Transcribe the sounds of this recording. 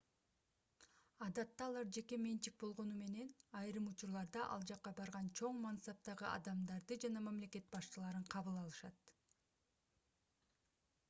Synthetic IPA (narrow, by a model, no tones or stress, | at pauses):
ɑd̪ɑt̪ːɑːlˠɑɾd͡ʒe̞ke̞me̞nt͡ʃik̚bo̞lˠʁo̞nume̞ne̞nɑjɾɯmut͡ʃuɾlˠɑɾd̪ɑʔɑ̰lˠd͡ʒɑqːɑbɑɾʁɑnt͡ʃʰo̞ɴmansɑp̚t̪ɑʁɯʔɑ̰d̪ɑmd̪ɑɾd̪ɯd͡ʒɑnɑmamle̞ke̞t̪̚bɑʃt͡ʃɯlˠɑɾɯɴqʰɑβɯlˠɑlˠɯʃɑt̪